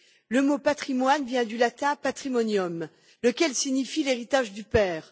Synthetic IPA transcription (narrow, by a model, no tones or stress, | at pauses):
ləmopat̪χimwanvjɛ̃d̪ylat̪ɛ̃pat̪χimɔnjɔm | ləkʲɛlsiɲifileʁit̪aʒd̪ypɛːʁ